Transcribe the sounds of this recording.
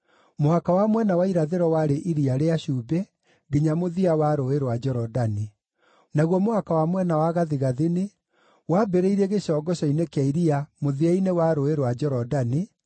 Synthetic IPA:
mohakawamwɛnawaiɾaðeɾɔwaɾeʔiɾiaɾeaɕubɛ | ɡeɲamoðiawaɾoeɾwad͡ʒɔɾɔdani | naɣwɔmohakawamwɛnawaɣaðiɣaðene | wabeɾeiɾeɣeɕɔɡɔɕɔinekeaiɾiamoðiainewaɾoeɾwad͡ʒɔɾɔdani

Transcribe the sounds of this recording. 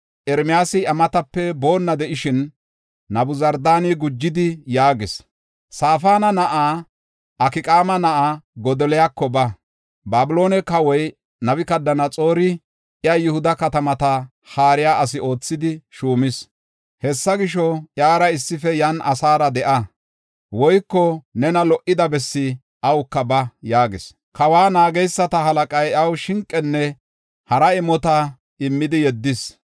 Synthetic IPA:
ʔɛɾmɪjaːsɪɐmɐt̪ɐpːɛbo̞ːnːɐd̪ɛʔɪʃɪnː | ɐbʊzɐɾd̪aːniɡʊd͡ʒːɪd̪ɪjaːɡɪs | saːfaːnɐnɐʔaː | ʔɐkɪkʼaːmɐnɐʔaɡɔd̪ɔlɛjakːɔbɐ | baːbɪlo̞ːnɛkɐwɔj | nɐbɪkɐd̪ːɐnɐt͡sʼo̞ːɾɪ | ʔɪjɐjɪhʊd̪ɐkɐt̪ɐmɐt̪ɐ | haːɾɪjaːʔɐs̬ɪo̞ːt͡sːɪd̪ɪʃuːmɪs | hɛsːɐɡɪʃɔʔjaːɾɐɪsːɪfɛjɐnʔɐsaːɾɐd̪ɛʔɐ | wɔjkːɔnɛnɐlɔʔɪd̪ɐbɛsːɪ | ʔɐwkːɐbɐjaːɡɪs | kɐwaːnaːɡɛjsːɐt̪ɐɦɐlɐkʼɐjɐwʃɪŋkʼːɛnːɛ | hɐɾɐɪmːɔt̪ɐ | ɪmːɪd̪ɪjɛd̪ːɪs

